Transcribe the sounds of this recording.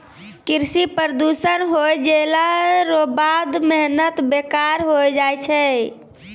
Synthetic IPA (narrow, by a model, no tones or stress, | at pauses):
kiɾsipəɾd̪usənɦojd͡ʒelaɾobad̪mɛɦnət̪bekaɾɦojd͡ʒajt͡ʃʰɛ